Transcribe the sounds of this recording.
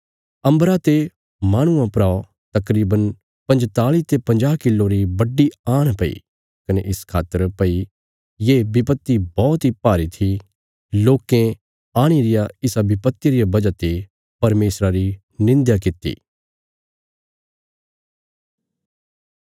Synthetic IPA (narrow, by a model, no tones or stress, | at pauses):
ɐ̃mbɾat̪e | mãːɽ̃ʊãpɾao | t̪ɐkɾiːbən | pɐ̃nd͡ʒt̪aːlit̪epɐ̃nd͡ʒaːɦkɪlːoɾibɐɖiaːɽ̃pɐḭ | kɐneʔɪskʰaːt̪əɾpɐi | jebɪpət̪ːibɔːt̪ɦipaːɾit̪ʰi | loːkẽ | aːɽ̃iɾɪjaɪsabɪpət̪ːiɾɪjabɐd͡ʒat̪e | pɐɾmeːsɾaɾi | nɪ̃nd̪jakɪt̪ːḭː